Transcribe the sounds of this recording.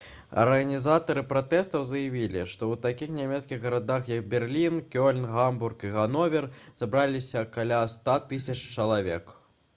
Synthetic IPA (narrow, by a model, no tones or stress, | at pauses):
ɐ̰rɣɐnʲizat̪ɐɾɨpɾat̪ɛst̪ɐwzɐjavʲilʲḭʂt̪ɔwt̪akʲixnʲamʲɛt̪skʲiɣɣɐɾad̪axjɐk̚bʲɛrlʲinkʲɔlʲnɣamburkiɣanɔvʲɛrzabɾalʲisʲɐkalʲast̪at̪ɨsʲɐt͡ʂt͡ʂɐlˠavʲɛ̰k